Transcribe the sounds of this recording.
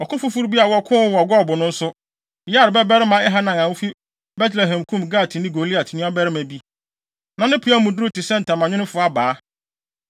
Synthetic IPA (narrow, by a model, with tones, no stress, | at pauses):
ɔ˨kʰʊ̃˦fu˦fu˦ɾbi˦a˨wɔ˦kʰʊ̃˦wɔ˨ɡɔ˦˨bʊ˨nʊ̃˦n̩˦sʊ˦ | ja˦˨ɾɪ˨bɛ˦bɛ˦ɾɪ˦mã˨ɛ˦ɦa˦nã˨ŋã˨wʊ˦fi˦ | bɛ˦tʰlɛ˨ɦɛ̃˨mkʰũ˦mɡaː˦˨tʰɪ˨nɪ̃˦ɡo˨li˦a˨tʰɪ˨nʊ̃˦a˦bɛ˦ɾɪ˦mæ̃˨bi˦ | nã˨nɪ̃˦pʰu˦a˦mũ˨du˦ɾu˦tɪ˨sɛ̃˦n̩˨tʰã˨mã˨ɲᶣɪ̃˦nʊ̃˦fʊ˨˦a˦baː˨˦